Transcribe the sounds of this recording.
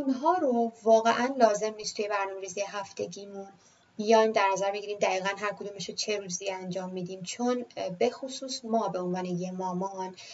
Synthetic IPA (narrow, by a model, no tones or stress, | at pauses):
ʔunɦɒːɾovɒːɣeʔænlɒːze̞mniːst̪ʰuje̞bæɾnɒːme̞ɾiːzijeɦæft̪e̞ɟiːmun | bijɒjmd̪æɾnæzæɾbe̞ɡiːɾiːmd̪æiːɣænɦæɾkʰod̪uːmeʃot͡ʃʰe̞ɾuːziænd͡ʒɒːmːiːd̪iːmt͡ʃʰonbe̞xosuːsmɒːbe̞onvɒːnejemɒːmɒn